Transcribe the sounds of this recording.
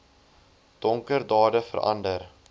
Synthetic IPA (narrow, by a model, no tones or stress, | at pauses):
d̥ɔŋkəɾdɑːdəfə̰ɾʔɐ̰ndəɾ